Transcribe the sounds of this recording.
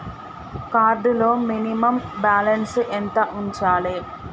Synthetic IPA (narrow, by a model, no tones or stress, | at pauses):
kaːɾɖloːminimɐmbaːlɐnsʔent̪ɐʔuɲt͡ʃaːɭeː